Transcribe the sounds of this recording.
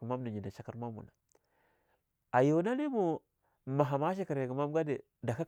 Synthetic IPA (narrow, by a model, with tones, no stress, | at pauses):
i˨ma˦m˦di˨ɲi˨na˨t͡ʃa˦ka˦ɾma˦mṵ˨na˨ | a˨jo˨˦na˦li˦mu˨ | ma˨ɦa˨ma˦i˦ka˨ɾe˨ku˨ma˦m˦ɡa˦de˨ | da˨ka˦